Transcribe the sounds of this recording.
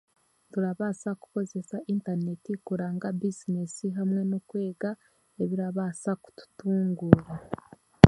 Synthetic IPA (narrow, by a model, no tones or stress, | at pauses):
tuɾaβaːsaku̥ko̞ze̞saʔiːntaɾne̞tikuɾaːŋɡabizinesiɦamŋe̞nokwe̞ːɡa | eβiɾaβaːsaku̥tu̥tuːŋɡuːɾa